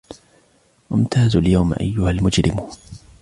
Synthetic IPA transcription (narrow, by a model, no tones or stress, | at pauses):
ʔɪmt̪ʰaːzljawmʔa̰jːʊhalmʊd͡ʒɾɪm